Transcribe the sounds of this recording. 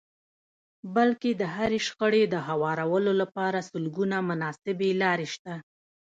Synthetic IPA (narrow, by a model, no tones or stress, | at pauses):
balked̪əɦaɾeʃxəɽed̪əɦawɑɾawəlolapɑɾasəlɡunamʊnɑsɪbelɑɾeʃt̪a